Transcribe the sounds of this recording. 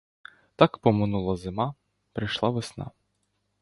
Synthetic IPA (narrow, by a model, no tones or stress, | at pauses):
t̪ɑkpɔmɪnulˠɐzɪmɑ | pɾɪjʃlˠɑʋɪsnɑ̰